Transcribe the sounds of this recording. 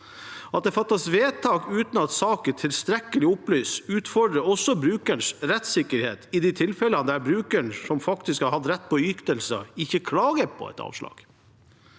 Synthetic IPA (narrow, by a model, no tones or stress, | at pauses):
ɑt̪̚d̪ɛːfɑt̪ːɑsʋeːt̪ʰɑːkʉːt̪nɑt̪sɑːkəʈʰɪlst̪ɾɛkəlɪʊplyːsʉːt̪fɔɖɾəɔsɔbɾʉːkæɳʂɾɛt̪sɪkːəɾheːt̪ɪd̪ɪt̪ʰɪlfɛlənd̪æɾbɾʉːkəɳsɔmfɑkt̪ɪskhɑɾhɑd̪ɾɛt̪̚ːpʰɔʏkt̪əlsə̰ɪçəkʰlɑːɡəpʰɔ̰ɛ̰t̪ʰɑ̰ːʋʂlɑ̰ːɡ̥